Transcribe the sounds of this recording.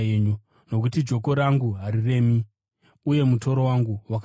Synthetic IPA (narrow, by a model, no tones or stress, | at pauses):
ɲu | no̞k̬utid͡ʒo̞ko̞ɾaŋɡuɦaɾire̞mi | uje̞muto̞ɾo̞waŋɡuwak